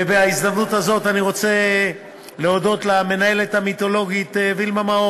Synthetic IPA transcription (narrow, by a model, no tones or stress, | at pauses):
veaizd̪amnuthazo̞taniʁo̞t͡se̞ | leo̞do̞t̪lame̞nae̞let̪hamit̪o̞lo̞ɡit̪vilmamao